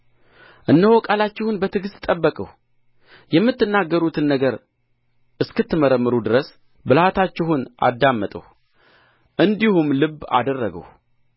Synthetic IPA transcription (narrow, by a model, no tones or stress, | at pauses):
ʔɨnːəhokʼalat͡ʃːɪhunbət̪ʰɨɡɨst̪ʼːəbːəkʼə̰h | jɛmːɨt̪ːɨnːaɡːəɾut̪ʰɨnːəɡəɾ | ʔɨskɨt̪ːɨməɾəmːɨɾud̪ɨɾəs | bɨlat̪ʰat͡ʃːɪɦunʔa̰d̪ːamːət̪ʼə̰h | ʔɨnd̪ihumlɨbːa̰d̪ərːəɡə̰w